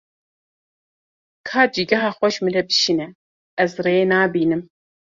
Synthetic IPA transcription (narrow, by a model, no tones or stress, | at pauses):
kʰaːd͡ʒiɡɛɦaːxʷɛʃmɨɾɛbɨʃinɛ | ɛzreeːnaːbiːnɨm